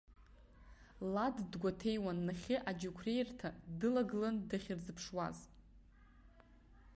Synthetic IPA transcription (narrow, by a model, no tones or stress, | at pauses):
laddɡʷatʰe̞jwanːaχʲɪʔad͡ʒukʷʰre̞jrtʰadɨlaɡlandɨχʲɪrd͡zɨpʰʂwa̰z